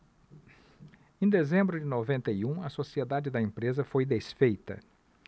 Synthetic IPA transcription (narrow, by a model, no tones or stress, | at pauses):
ẽd̪ezẽmbɾʊd͡ʒɪnovẽnt̪ɐiũɐsosied̪ad͡ʒɪd̪ɐẽpɾezɐfojd̪esfejt̪ɐ̰